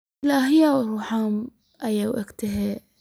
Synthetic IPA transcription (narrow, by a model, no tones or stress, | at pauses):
laːɦɪjawɾuħaːm | ʔajawʔɪkt̪ɪɦe